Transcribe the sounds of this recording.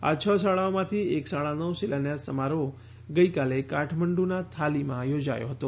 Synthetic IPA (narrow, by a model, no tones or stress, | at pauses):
a̰t͡ʃʰəsaɭaomãt̪ʰieksaɭ̃anəwsilanjasəmaɾo | ɡəikalekaʈʰməɳɖunat̪ʰalimãjod͡ʒa̰jo̰ɦət̪o